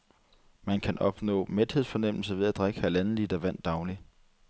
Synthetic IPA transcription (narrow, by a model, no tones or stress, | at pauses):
mænkʰænʔɒ̽b̥nɔ̰̽ːmed̥he̝sfɒ̽nem̰l̩sɐʋe̝ðˠæd̥ʁeɡ̥əhælæn̩lid̥ɐʋæn̰d̥ːɑ̈ʊli